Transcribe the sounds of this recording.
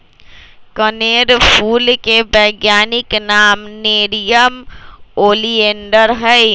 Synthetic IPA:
kəneɾpʰuːlkebəɪɡjaːniknaːmneɾijəmoːlieɳɖəɾɦəj

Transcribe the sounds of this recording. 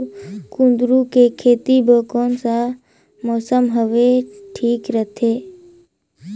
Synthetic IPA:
kʊ̃nd̪ɾukekʰeːt̪iboːkoːnsa | mɔːsəmɦəʋeʈʰiːkɾət̪ʰeː

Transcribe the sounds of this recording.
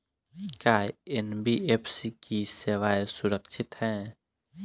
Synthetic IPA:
kaːjenbiepʰsikiseʋajsʊɾəkʃʰɪt̪hɛ̃ː

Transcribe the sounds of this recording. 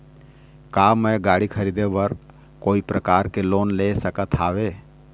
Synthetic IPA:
kaːmɛ̃ɡaːɽikʰɐɾiːd̪eʋəɾ | koːipɾɐkaːɾkeloːnlesəkət̪ʰaːʋeː

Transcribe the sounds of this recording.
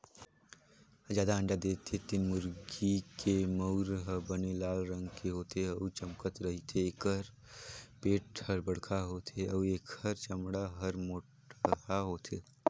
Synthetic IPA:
d͡ʒjaːd̪aə̃ɳɖad̪eːt̪ʰːet̪inmʊɾɡikemɐʊɾɦbənelaːlɾɐ̃ŋɡkeɦoːt̪eɐt͡ʃɐmkət̪ɾɐɦit̪ʰeeːkəɾ | peːʈhɐɾbəɽ̤kʰaɦoːt̪ʰeɐeːkhɐɾt͡ʃəmɽaɦɐɾmoːʈ | aɦoːt̪ʰeː

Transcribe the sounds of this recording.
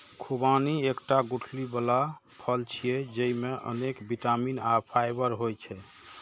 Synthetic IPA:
kʰubaniekʈaɡuʈʰlibəla | pʰəlt͡ʃʰijɛd͡ʒəimeʔə̰nekbiʈaminapʰajbəɾɦojt͡ʃʰɛ

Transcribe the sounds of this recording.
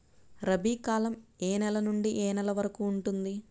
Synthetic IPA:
ɾɐbiːkaːlɐmeːnɛlɐnuɳɖiʔeːnɛlɐʋɐɾɐkuːɳʈund̪i

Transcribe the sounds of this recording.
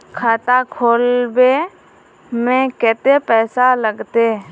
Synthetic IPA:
kʰaːt̪akʰoːlbe | mẽkɛːt̪epɛːsaləɡt̪e

